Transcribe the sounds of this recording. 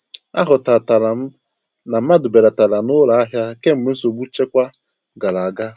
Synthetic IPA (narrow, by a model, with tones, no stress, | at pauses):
a̰˦ɦʊ˨ta˨ta˨la˨m̩˦ | na˨m̩˦ma˦dʊ˨be˨ɾa˨ta˨la˨nʊ˦la˨a˦ɦja˦ke˦m̩˦me˨˦n̩˦so˨bu˦t͡ʃe˦kʷa˦ | ɡa˨la˨a˨ɡa˦